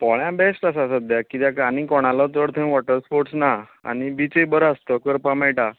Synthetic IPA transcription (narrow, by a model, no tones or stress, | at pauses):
pɔɭjãbesʈasasəd̪jakit̪jãkanĩkɔɽ̃alɔt̪əɽt̪ʰə̃ʋɔʈəɾspoɾʈsna | a̰nibit͡ɕebəɾast̪əkəɾpãmɛɭʈa